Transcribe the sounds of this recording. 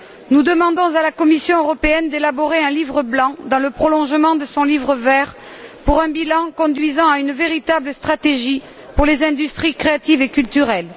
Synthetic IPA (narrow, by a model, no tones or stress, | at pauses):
nud̪əmɑ̃d̪ɔ̃zalakɔmisjɔ̃øʁɔpeɛnd̪elabɔʁeɛ̃livʁəblɑ̃d̪ɑ̃ləpχɔlɔ̃ʒəmɑ̃d̪əsɔ̃livʁəvɛʁ | puʁɛ̃bilɑ̃kɔ̃d̪ɥizɑ̃aynveʁit̪abləst̪χat̪eʒi | puʁlezɛ̃d̪yst̪χikχeat̪ivekylt̪yʁɛl